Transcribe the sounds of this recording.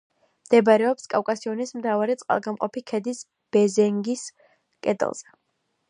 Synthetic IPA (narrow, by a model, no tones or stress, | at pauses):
md̪ɛbaɾɛɔpskʼafkʼasiɔnismt̪ʰavaɾit̪sʼqʼa̰lˠɡamqʼɔpikʰɛd̪is | b̥ɛzɛŋɡis | kʼɛ̰d̪ɛ̰lˠz̥ɛ